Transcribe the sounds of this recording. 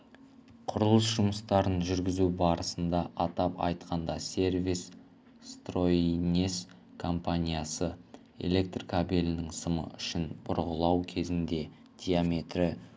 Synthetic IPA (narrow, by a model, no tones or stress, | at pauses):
qʰʊɾəlˠəsʒʊməst̪ɑɾənʒʏɾɡʲɪzubɑɾəsənd̪ɑʔɑt̪ɑpɑ̰jt̪qʰɑnd̪ɑsʲe̞rvis | st̪ro̞inʲes | kʰo̞mpanʲijasə | e̞̰le̞k̚t̪rkʰabelʲɪnɪŋsəmə̰ʔʏʃɪnbʊ̰ɾʁəlˠɑwkʲʰe̞zɪnd̪e̞ | d̪̥ʲijame̞t̪rɪ